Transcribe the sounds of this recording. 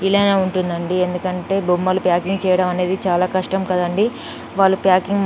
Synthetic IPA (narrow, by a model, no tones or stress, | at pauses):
ilɐjnaːuɳʈund̪ɐɳɖie̞nd̪ukɐɳʈe̞ːbʱumːɐlupjaːkiŋɡt͡ʃɛːjɐɽɐmɐne̞ːd̪it͡ʃaːlaːkɐʂʈɐmkɐd̪ɐɳɖi | ʋaːɭːupjaːkiŋ